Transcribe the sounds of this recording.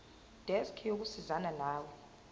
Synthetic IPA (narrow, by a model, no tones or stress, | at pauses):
d̥ʱɛskʰijok̬usizananaːwɛ